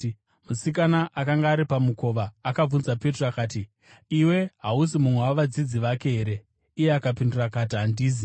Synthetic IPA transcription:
musikanaʔakaŋɡaːɾipamuko̞ʋaːkab͡vunzape̞troakaːti | iwe̞ɦaus̬imumwewaʋad͡zid͡ziʋake̞ɦeɾe̞ | ijeakapindurakatiɦandiːzi

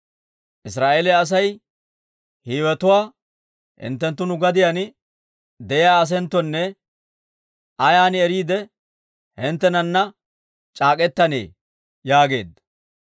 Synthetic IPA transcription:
ʔɪs̬ɾaːʔeːlɛɐs̬ɐj | hiːwɛt̪ʊwaː | hɪ̰nt̪ːɛnt̪̬ːʊnʊɡɐd̪ɪjan | d̪ɛjɪjaːɐs̬ɛnt̪ːɔnːɛ | ʔɐjaːnɪɛɾiːd̪ɛ | hɪnt̪ːɛnɐnːɐ | t͡ʃʼaːkʼɛt̪ːɐnḛː | jaːɡe̞̰ːd̪ːɐ

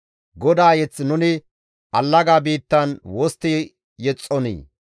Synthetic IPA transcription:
ɡɔd̪aːjɛt͡sːnʊnɪ | ʔɐlːɐɡaːbiːt̪ːɐnwɔst̪ːi | jɛt͡sʼːɔnḭː

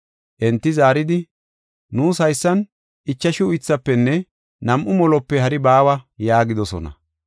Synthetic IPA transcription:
ʔɛnt̪ːɪzaːɾɪd̪ɪ | nuːsɐjsːɐn | ʔɪt͡ʃːɐʃɪʊjt͡sːɐpːɛnːɛ | nɐmʔʊmɔlɔpːɛhɐɾɪbaːwɐjaːɡɪd̪ɔsɔ̰nɐ̰

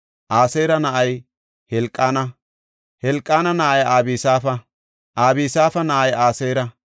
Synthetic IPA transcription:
ʔaːseːɾɐnɐʔɐj | hɛlkʼːaːnɐ | hɛlkʼːaːnɐnɐʔɐjaːbiːsaːfɐ | ʔaːbiːsaːfɐnɐʔɐjaːseːɾɐ

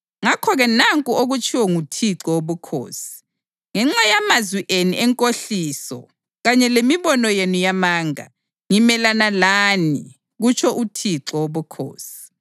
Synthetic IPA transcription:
ŋakʰɔɣɛnaŋkʼuoɣut͡ʃʰʼiwɔŋutʰiǁɔwoβukʰo̰ːsi̥ | ŋɛŋ͡ǁajamazwiʔeniʔɛŋkʼoɬiːsɔ̰ | ɣaɲɛlemiβɔnɔjenujamaːŋa̰ | ŋimɛlanalani | ɣut͡ʃʰɔʔutʰiǁɔwoβukʰo̰ːsi̥

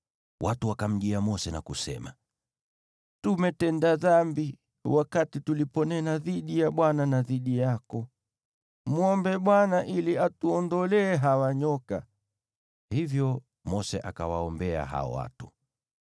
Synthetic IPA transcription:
wʔatuwakam̩ʄiamɔsɛnakusɛ̰ma | tumɛtɛndaðambi | wakatitulipɔnɛnaðiɗijaɓwananaðiɗijakɔ | muɔmbɛɓwanaʔiliatuɔndɔlɛːɦawaɲɔka | hivjɔ | mɔsɛ̰ʔakawaɔmbɛa̰ɦa̰ɔ̰wa̰tu̥

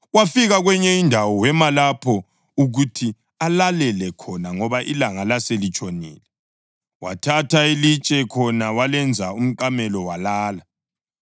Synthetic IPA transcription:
wafiɣaɣwɛɲɛindʱawɔwɛmalapʰɔ | uɣutʰi | alalɛlɛkʰɔnaŋɔβaʔilaŋalaselit͡ʃʼonḭːlɛ | wa̰tʰatʰailit͡ʃʼɛkʰɔnawalɛnd͡zʱaum̩kʼamɛlɔwalaːla

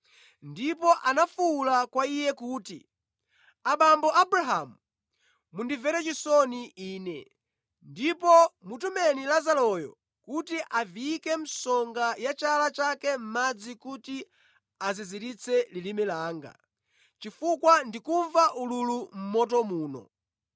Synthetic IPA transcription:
ndipɔʔanafulakwaijɛkuːtḭ | aɓambɔʔabɾaɦamu | mundivɛɾɛt͡ʃisɔniiːnɛ | ndipɔmutumɛnilazalɔjɔ̰ | kutiʔaviikɛm̩sɔŋɡajat͡ʃalat͡ʃakɛm̩mad͡zikuti | aziziɾit͡sʰɛlilimɛlaːŋɡa̰ | t͡ʃifukwandikuɱvaʔululum̩mɔtɔmuːnɔ̰

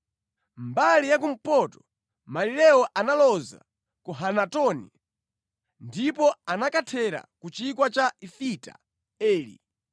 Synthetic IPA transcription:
mbalijak̬um̩pɔtɔ̥ | malilɛɔʔanalɔza̰ | kɔɦanatɔnḭ | ndipɔanakatʰɛɾa̰kut͡ʃikwat͡ʃaifita̰ | ɛːlḭ

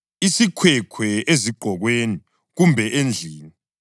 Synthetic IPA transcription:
isikʰwɛkʰwɛeziɡ͡ǃʱɔɣweni | ɣumbʱɛʔend͡ɮʱiːli

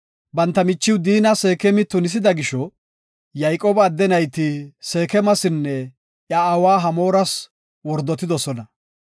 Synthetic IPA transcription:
bɐnt̪ːɐmɪt͡ʃːɪwd̪iːnɐse̞ːkɛmɪt̪ːʊnɪs̬ɪd̪ɐɡɪʃɔ | jɐjkʼoːbɐːd̪ːɛnɐjt̪ɪse̞ːkɛmɐsɪnːɛ | ʔjaːwaːɦɐmo̞ːɾɐs | wɔɾd̪ːɔt̪ːɪd̪ɔsɔnɐ

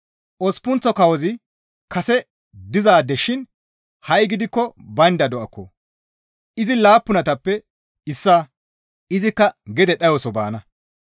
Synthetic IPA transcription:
ʔɔspʊnt͡sːɔkɐwɔzɪ | kɐsɛ | d̪ɪzaːd̪ɛʃɪn | hɐjɡɪd̪ɪkːɔbɐnd̪ɐd̪ɔʔɐkːɔ | ʔɪzɪlaːpːʊnɐt̪ɐpːɛ | ɪsːaː | ɪzɪkːɐɡɛd̪ɛɗɐjɔsɔba̰ːnɐ

